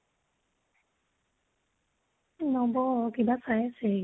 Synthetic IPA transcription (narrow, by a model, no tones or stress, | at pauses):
nɔbɔkibasajse